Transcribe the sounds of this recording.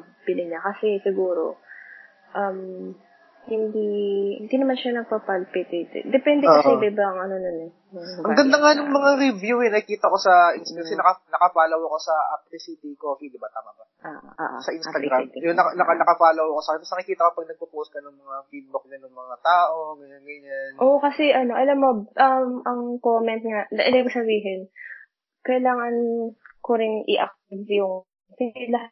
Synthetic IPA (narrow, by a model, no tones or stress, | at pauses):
pɪlɪɲakɐsɛsɪɡuːɾo̞ | ʔɐm | hɪnd̪ihɪ̰nd̪inɐmanʃanɐɡ̚pɐpalpɪt̪et̪d̪ɛpɛnd̪ɛkɐsʔɛd̪ɛbɐŋʔɐnononɛ | mɐŋʔɐŋɡɐnd̪aŋanʊŋmɐŋaɾɪvjuhɛnɐkɪkiːt̪ɐko̞sɐʔɪnst̪ɐɡsɛnɐkɐnɐkɐpaːlɐwɐko̞sɐʔap̪̚ɪsit̪ikoːfid̪ɪbat̪aːmabɐʔaʔʔa̰ʔsɐʔɪnst̪ɐɡɾamjonɐnɐkɐnɐkɐpaːlɐwɐkosaːkɪnɐsnɐkɪkiːt̪ɐkopɐɡ̚nɐɡ̚pupuːʔskɐnonːɐmafid̪̚bʊk̚ɲɐnʊŋmɐŋat̪aːʔomɛɐmiɲɐnʔoʔkɐsɛʔɐno̞ʔɐlɐmːoʔɐmʔɐŋkoːmɛnt̪̚ŋanɐʔɐlibɪsɐbiːɦɪn | kɐjɪlaːŋɐnkoɾɪŋʔɪ̰ʔɐk̚t̪ivjʊŋ | sɪlɐɦ